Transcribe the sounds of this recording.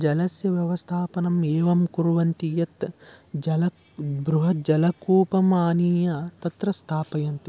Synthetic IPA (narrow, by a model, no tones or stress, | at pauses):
d͡ʒɐlɐsjɐʋjɐʋɐst̪ʰaːpɐnɐmeːʋɐmkuɾʋɐnt̪ijɐt̪d͡ʒɐlɐ | bɾuɦɐt̪̚d͡ʒɐlɐkuːpɐmaːniːjɐt̪ɐt̪ɾɐst̪ʰaːpɐjɐnt̪i